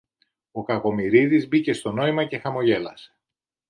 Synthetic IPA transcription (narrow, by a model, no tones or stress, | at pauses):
o̞kɐɣo̞miɾiðizbicest̪o̞no̞imɐce̞xɐmo̞ʝe̞lɐse̥